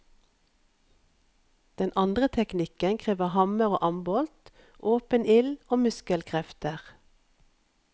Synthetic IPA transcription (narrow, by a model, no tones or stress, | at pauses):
d̪̥ɛnʔɑnd̪ʁət̪ʰɛknɪkənkʰʁiːʋəhɑməʁo̰ːʔɑmbɔlt̪ | ʔoːpənɪloːmʉskəlkʰʁɛft̪əʁ